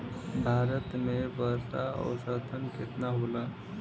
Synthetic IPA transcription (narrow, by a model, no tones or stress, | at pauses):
bʱaːɾət̪mebəɾsaɔ̰ːɾsət̪ʰənkɪt̪naɦoːla